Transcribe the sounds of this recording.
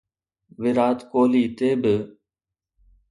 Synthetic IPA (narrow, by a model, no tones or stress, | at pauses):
ʋɪɾaːt̪koːliːt̪eːbɪ